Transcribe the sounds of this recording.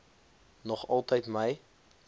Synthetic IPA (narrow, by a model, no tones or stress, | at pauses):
nɔχɐlˠtəjtməj